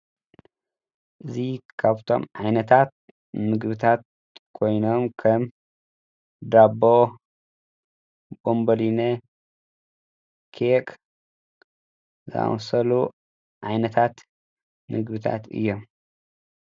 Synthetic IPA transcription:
ʔɨzikʰaβt̪ʰo̞̰mʕajnɐt̪ʰat̪̚ | nɨɡβɨt̪ʰat̪̚ | kʰo̞jno̞mkʰɐm | d̪abo | bombɐline | kʰek | za̰a̰wsɐlu | ʕajnɐt̪ʰat̪ | nɨɡbɨt̪ʰa̰t̪ɨ̰jːom

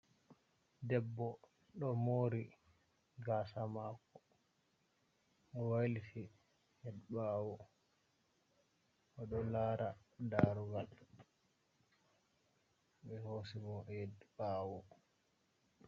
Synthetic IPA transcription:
dɛbːɔ | ɗɔmoːɾi | ɡaːsamakːɔ | ɔwalitʰi | jɛdɓaːwɔ | ɔɗɔlaːɾadaːɾuɡal | ɓɛhosimɔjɛdɓaːwɔ

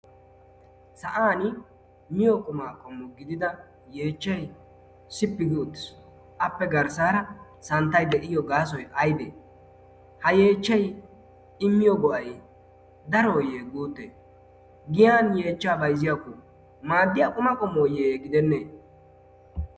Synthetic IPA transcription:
sɐʔaːnɪ | mɪjɔkʼʊmaːkʼɔmːɔɡɪd̪ɪd̪ɐ | je̞ːt͡ʃːɛj | sɪpːɪɡɪʊt̪ːɪ̥s | ʔɐpːɛɡɐɾsaːɾɐ | sɐnt̪ːɐjd̪ɛʔɪjɔɡaːsɔjʔɐjd̪ḛː | hɐje̞ːt͡ʃːɛj | ɪmːɪjɔɡɔʔɐj | d̪ɐɾɔːjeːɡuːt̪ːḛː | ɡɪjaːnjeːt͡ʃːaːbɐjzɪjakʊ | maːd̪ːɪjakʼʊmɐkʼɔmːɔːjeːɡɪd̪ɛnːeː

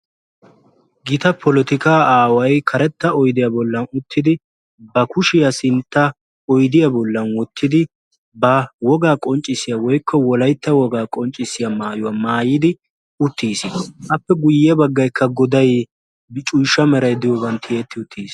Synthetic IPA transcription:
ɡɪt̪ɐpʰɔlɔt̪ɪkaːaːwɐjkʰɐɾɛt̪ːɐɔjd̪ɪjabɔlːɐnʊt̪ʰːɪd̪ɪ | bɐkʊʃɪjɐsɪnt̪ːɐ | ɔjd̪ɪjabɔlːɐnwɔt̪ʰːɪd̪ɪ | bɐwɔɡaːkʼɔnt͡ʃʼːɪsɪjawɔjkːɔwɔlɐjt̪ːɐwɔɡaːkʼɔnt͡ʃʼːɪsɪjamaːjʊwɐmaːjɪd̪ɪ | ʊt̪ːiːsʔɐpːɛɡʊjːɛbɐɡːɐjkʰːɐɡɔd̪ɐj | bɪt͡ʃʼʊjʃɐmɛɾɐjd̪ɪjɔbɐnt̪ʰːɪet̪ːɪʊt̪ːiːs

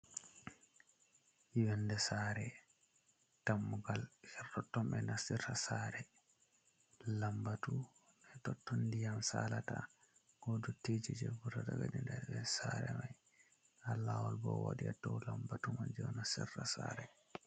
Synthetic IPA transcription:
iwɛndɛsaɾɛ | tamːuɡalhɛrɔtːɔmɛnasiɾasaɾɛ | lambatu | ɓɛtɔtːɔndijamsalata̰ | ɡɔduted͡ʒid͡ʒɛbuɾataɡa̰dindɛbɛsaɾɛmaj | halːawɔlbɔ̰wa̰ɗiatːɔwlambatumand͡ʒɛwnasiɾasa̰ɾɛ

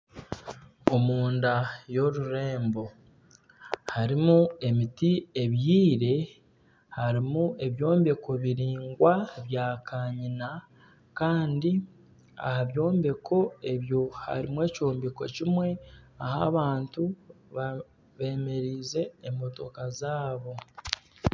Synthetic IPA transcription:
omuːndajo̞ɾuɾe̞ːmbo̞ | haɾimue̞mitie̞βjiːɾe̞ | haɾimue̞βjo̞ːmbe̞ko̞βiɾiːŋɡwaβjaːkʰaːɲina | kaːndi | a̰haβjo̞ːmbe̞kʰo̞e̞βjo̞ha̰ɾimwe̞ːcoːmbeko̞cimwe̞ahaβaːntu | βa | βe̞ːme̞ɾiːze̞ːmbo̞to̞kazaːβo̞

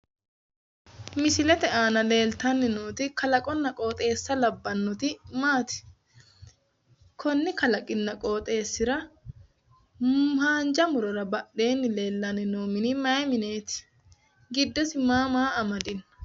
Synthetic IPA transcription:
mɪsɪlɛt̪ɛaːnɐle̞ːlt̪ɐnːɪnoːt̪ɪkɐlɐkʼɔnːɐkʼo̞ːt̪ʼe̞ːsːɐlɐbːɐnːʊt̪ɪmaːt̪ɪ̥ | kʰɔnːɪkɐlɐkʼɪnːɐkʼo̞ːt̪ʼe̞ːsːɪɾɐ | haːnd͡ʒɐmʊɾɔɾɐbɐʔe̞ːnːɪle̞ːlːɐnːɪnoːmɪnɪmɐjmɪneːt̪ɪ̥ | ɡɪd̪ːɔsɪmaːmaːɐmɐd̪ɪn

